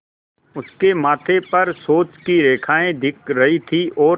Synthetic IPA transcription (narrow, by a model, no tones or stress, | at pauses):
ʊskemaːt̪ʰepɐɾsoːt͡ʃkiɾeːkʰaːẽd̪ɪk̚ʰɾɐɦit̪ʰiʔɔː